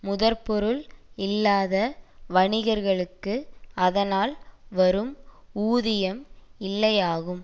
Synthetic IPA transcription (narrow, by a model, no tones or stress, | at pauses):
mʊðɐɾpɔɾɯlɪlːaːðɐʋɐɳɪɣɐɾɣɐɭɯkːɯɐðɐnaːlʋɐɾɯm | uːðɪjɐmɪlːɐjaːɣɯm